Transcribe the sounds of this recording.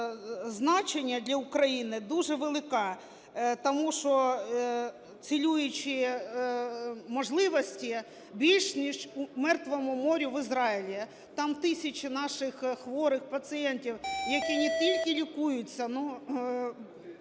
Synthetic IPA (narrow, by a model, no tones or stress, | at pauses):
znɑt͡ʃenʲːɐd̪ʲlʲɐʊkɾɐjinɪd̪uʒɛʋelˠɪkɑ | t̪ɔmuʃɔ | t͡sʲilʲujʊt͡ʃɪ | mɔʒlˠɪʋɔsʲtʲi | bʲilʲʃnʲiʃmɛrt̪ʋɔmʊmɔɾʲʊʋɪzɾɑilʲi | t̪ɑmt̪ɪsʲɐt͡ʃɪnɑʃɪxxʋɔɾɪxpɐsɨjɛntʲiwjɐkɛnʲɪt̪ʲilʲkɪlʲikujʊt͡sʲːɐnu